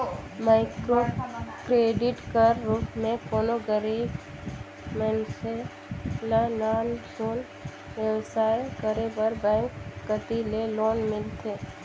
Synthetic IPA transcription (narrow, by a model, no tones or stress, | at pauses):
maːɪkɾoːkɾeːɖɪʈkəɾːuːpmẽkoːnoɡəɾi | mɛ̃nse | lanaːnd͡ʒoːn | ʋewsaːekəɾebəɾbɛ̃ːŋkːət̪ileloːnmɪlt̪ʰeː